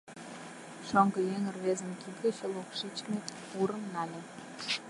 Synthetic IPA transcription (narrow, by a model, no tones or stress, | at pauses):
ʃoŋɡɤ̆jeŋərβezə̆mkit̪ɡə̆t͡ɕelokʃit͡ɕmet̪ | uɾəmnɑlʲe